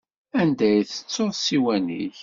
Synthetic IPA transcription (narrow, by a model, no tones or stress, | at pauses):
ænd̪æjθə̥t͡sːoðsiwænḭç